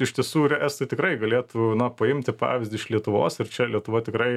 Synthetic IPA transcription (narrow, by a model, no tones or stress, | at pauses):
ɪʃʲt̪ʲiɛsuːɾʲɛɛst̪ɐɪt̪ʲɪkrɐɪɡɐlʲeːt̪unɐpɐɪmʲt̪ʲɪpɑ̰ːʋʲɪzdʲɪʃlʲiɛt̪ʊʋo̰ːsɪɾt͡ʃʲɛlʲiɛt̪ʊʋɐt̪ʲɪkrɐɪ